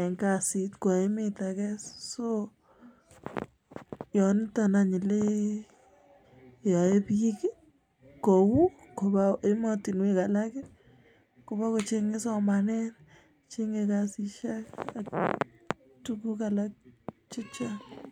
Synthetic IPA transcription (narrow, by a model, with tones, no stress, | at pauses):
ɛ˨ŋkasitkɔ˨emɪtakɛsso˦ | jɔ˨nta˨na˨ɲɪ˨le˦ | jɔ˨e˦pi˦k | ko˨wu˦ko˨ba˦e˦mɔ˦ti˨nwe˦ka˨la˦kɪ˦ | ko˨ba˦ko˨t͡ʃe˦ŋɪ˦sɔ˦ma˨nɛ˦n | t͡ʃe˦ŋekasiʃa˦kak̚ | tu˦ku˦kala˦k̚t͡ʃe˦t͡ʃan